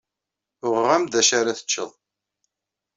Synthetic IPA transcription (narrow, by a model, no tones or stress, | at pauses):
ʊʁːæmd̪æʃaɾaθə̥t͡ʃːəðˤ